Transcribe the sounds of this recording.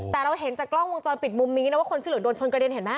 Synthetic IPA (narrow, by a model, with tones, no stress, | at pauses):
t̪ɛː˨˩ɾa˧wɦe˩˦nt͡ɕaː˨˩klɔ˥˩ŋwo˧ŋt͡ɕɔː˧npi˨˩t̪̚mu˧mniː˦˥nɛ˦˥waː˥˩o˧nsʰiː˥lɯ˩˦do˧nt͡ɕʰo˧nka˧ɾi˧nɦe˨˩˦maː˥˩k̚